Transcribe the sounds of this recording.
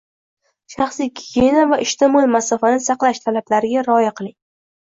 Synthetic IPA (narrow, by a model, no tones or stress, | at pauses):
ʃɑχsijɡʲiɡʲenavaʔɪʃt̪ʰɪmɒlmasafanɪsɑqlˠaʃt̪ʰalablaɾɪɡʲaɾɒjaqʰɨlˠɪŋ